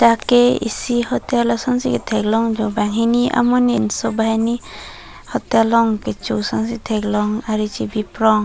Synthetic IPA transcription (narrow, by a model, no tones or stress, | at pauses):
takeḭsihɔtjalɔsaŋsiket̪ʰɛɡlɔŋd͡ʒɔbaŋɦiniʔa̰mɔninsɔbajni | hɔtjalɔŋket͡ʃuwsaŋs̬itʰɛɡlɔŋaɾit͡ʃibipɾɔŋ